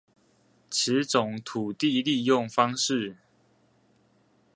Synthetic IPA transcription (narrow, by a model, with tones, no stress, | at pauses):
ʈ͡ʂʰɻ̩˨˦t͡sʊ˨˩ŋt̪ʰu˨˩t̪i˥˧li˥˧jʊ˥˨ŋfɑ˦ŋʂɻ̩˥˨